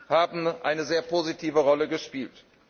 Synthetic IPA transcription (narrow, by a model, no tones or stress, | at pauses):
haːbm̩ʔaɪnəzeːɐpʰoːzitʰiːvəʁɔləɡəʃpiːlt